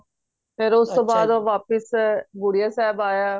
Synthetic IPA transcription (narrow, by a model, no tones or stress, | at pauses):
pʰɪɾʊst̪õːbaːd̪oːʋaːpəsbʊɽijaːsɛːbaːjaː